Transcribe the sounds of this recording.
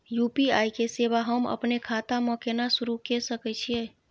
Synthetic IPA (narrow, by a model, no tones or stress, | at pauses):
jupiajkesebaɦəmə̰pnekʰat̪amə̃kenasuɾukesəkɛt͡ʃʰiɛ